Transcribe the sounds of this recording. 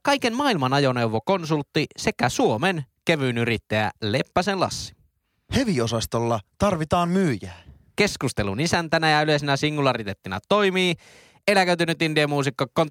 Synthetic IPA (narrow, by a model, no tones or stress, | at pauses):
kɑjke̞nmɑːilmɑnɑjo̞ne̞uwʋoko̞nsult̪ːise̞kæsuo̞menk̟eʋyːnyɾit̪ːæjæ̰le̞pːæsenlɑ̰sːi̥ | he̞ʋio̞sɑst̪olːɑt̪ɑrʋit̪ɑːmmyːjæː | ke̞skust̪e̞lunisænt̪ænæjɑylesenæsiŋːulɑrit̪et̪ːinɑ̰t̪o̞jmiː | e̞lækøt̪ynyt̪ːindiemuːs̬ikːokːon